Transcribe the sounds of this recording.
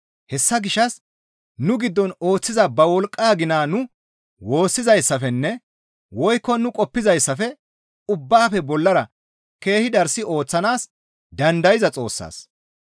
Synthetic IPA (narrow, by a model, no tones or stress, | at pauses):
hɛsːɐɡɪʃːɐs | nʊɡɪd̪ːɔno̞ːt͡sːɪzɐbɐwɔlkʼːaːɡɪnaːnʊ | wo̞ːsːɪzɐjsːɐfɛnːɛ | wɔjkːɔnʊkʼɔpːɪzɐjsːɐfɛ | ʊbːaːfɛbɔlːɐɾɐ | ke̞ːhɪd̪ɐɾsɪo̞ːt͡sːɐnaːs | d̪ɐnd̪ɐjɪzɐt͡sʼo̞̰ːsːa̰ːs